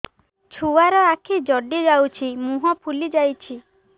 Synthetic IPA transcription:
t͡ʃʰuwaɾɔakʰed͡ʒɔɖid͡ʒawt͡ʃʰimuɦɔpʰulid͡ʒajt͡ʃʰi

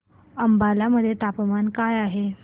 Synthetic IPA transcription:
əmbalaməd̪ʱːjet̪apmankajaɦe

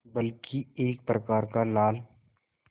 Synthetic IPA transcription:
bəlkieːk̚pɾəkaːɾkalaːl

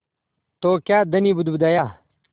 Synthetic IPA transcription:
t̪oːkjaːd̪əniːbʊd̪bʊd̪aːjaː

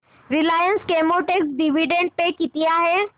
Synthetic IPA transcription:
ɾɪlaːjənskemoʈeksɖiʋiɖẽɳɖ̚pekɪt̪ijaɦɛː

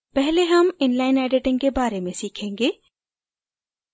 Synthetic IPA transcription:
pɛɦleɦɐmɪnlaːɪnɛːɖɪʈɪ̃ŋkebaːɾemẽsiːkʰẽːŋɡeː

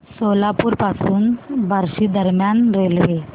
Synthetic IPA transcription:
solapuːɾpasuːnbʱaɾɕiːd̪əɾmjanɾelʋe

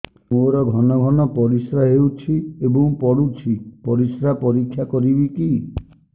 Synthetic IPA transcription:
moɾɔɡʱɔnɔɡʱɔnɔpɔɾisɾaɦewt͡ʃʰiebɔ̃ŋpɔɽut͡ʃʰipɔɾisɾapɔɾikʰːjakɔɾibiki

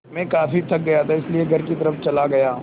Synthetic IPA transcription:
mẽkaːfit̪ʰɐk̚ɡɐjat̪ʰaɪslieɡʱɐɾkit̪ɐɾəft͡ʃɐlaɡɐjaː

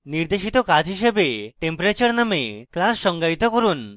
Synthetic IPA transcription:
niɾd̪eʃit̪okad͡ʑʱɦiʃebeʈempoɾet͡ɕaɾnameklasʃɔŋɡait̪okoɾun

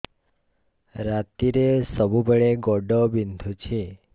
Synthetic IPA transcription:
ɾat̪iɾesɔbubeɭeɡɔɖɔbind̪ʱut͡ʃʰi

